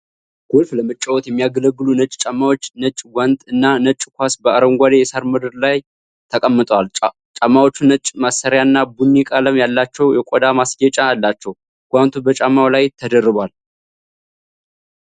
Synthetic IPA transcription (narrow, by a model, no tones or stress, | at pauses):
ɡ̥ulfləmɨt͡ʃʼːəwɔt̪jɛmːijaɡələɡːɨlunət͡ʃʼt͡ʃʼamːawot͡ʃːnət͡ʃʼɡʷant̪ʼɨnːanət͡ʃʼːkʷasbəʔaɾəmɡʷad̪ejɛsaɾməd̪əɾlaj | t̪ʰəkʼəmːɨt̪ʼwal | t͡ʃʼamːawot͡ʃːunət͡ʃʼmasəɾjaɨnːabunːikʼaləmjalːat͡ʃːɛwjɛkʷʼɔd̪amasɡɛt͡ʃʼalːat͡ʃːɛw | ɡ̥ʷant̪ʰubət͡ʃʼamːawlajt̪ʰəd̪ərːɨbal